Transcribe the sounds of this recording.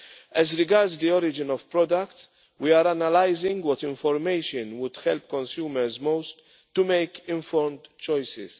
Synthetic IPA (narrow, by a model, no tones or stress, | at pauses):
ɛzɾɪɡɐɾdzd̪iɔɾɪd͡ʒɪnɔvpɾɔd̪ɐkts | wiaːɾɐnɐlajzɪ̃ŋɡwɔt̪ɪ̃ɱfɔɾmejʃɔ̃nwʊd̪̥hɛlpkɔ̃nsjuːmɛɾzmoʊst̪ː | ʊmejkɪ̃ɱfɔɾmd̪t͡ʃɔjsɪ̰s